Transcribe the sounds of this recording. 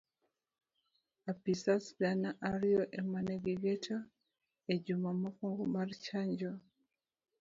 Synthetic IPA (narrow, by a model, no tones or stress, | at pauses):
apisasbanaʔaɾiɔʔemaneɡiɡeta | ed͡ʒumamokɔŋɡomart͡ʃaɲd͡ʒo